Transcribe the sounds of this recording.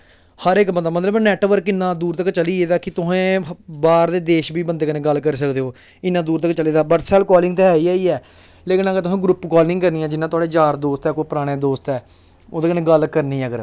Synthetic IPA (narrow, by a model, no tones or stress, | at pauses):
həɾɪːkbəd̪aːmət̪ləbnɛːʈʋəɾkɪnːãːd̪uːɾt̪əkt͡ʃəliːeːd̪aːkɪt̪ʊsɦẽːbaːɾd̪eːd̪eːʃbiːbənd̪eːkənẽːɡəlːkəɾiːs̬əkd̪eːɦoː | ɪnːãːd̪uːɾt̪̬əkt͡ʃəleːd̪aːbəʈsɛːlkɔːlɪŋɡt̪eːɛːiːaːiːɛː | leːkɪnəɡəɾt̪ʊsẽːɡɾʊpkɔːlɪ̃ŋɡkəɾniːãːd͡ʒɪnːãːt̪ʊaːɽeːd͡ʒaːɾd̪oːst̪ɛːkoːpəɾaːɽ̃eːd̪oːst̪ɛː | oːd̪eːkənẽːɡəlkəɾnĩːəɡəɾ